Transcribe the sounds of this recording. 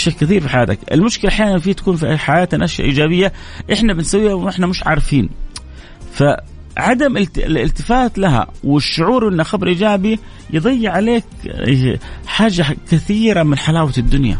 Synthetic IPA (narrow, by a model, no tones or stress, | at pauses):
ʃakːɪθiːɾfiħajaːt̪akʔɪ̰lmʊʃkɪlaʔaħjaːnanfiːt̪akuːnfiʔħajaːt̪anʔaʃja̰ʔiːd͡ʒaːβɪjːaʔɪħnabɪnsawːiːhaʔɪħnamɪʃʕa̰ːɾˤɑfiːn | fa | ʕad̪amɪɪlɪ̰lt̪ɪfaːt̪laɦa̰wɪʃːʊʕuːɾwʔɪnːaxabɾˤʔiːd͡ʒaːbi | jɨd̪ˤɑjːɪʕaleːk | ħaːʒakɪθiːɾamɪnħalaːwad̪ːʊnja̰